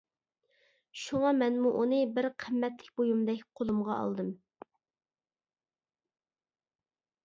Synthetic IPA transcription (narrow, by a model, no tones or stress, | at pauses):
ʃuŋɑmɛnmuʔunɨbɪɾqʰəmːɛt̪lɪkʲbojumd̪ɛkʲqʰolˠumʁɑɑ̰lˠd̪ɨm